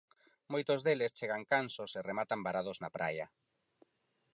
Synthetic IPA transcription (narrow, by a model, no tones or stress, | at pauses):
mojt̪ozðelest͡ʃeɣaŋkansoseremat̪ambaɾaðoznapɾʔa̰ja